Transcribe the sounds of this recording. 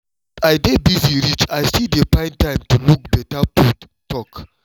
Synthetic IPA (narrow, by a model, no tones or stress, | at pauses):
ajdebiziɾit͡ʃajsidepãɪ̃ntãɪ̃mtuluk̚bɛtapu | tɔk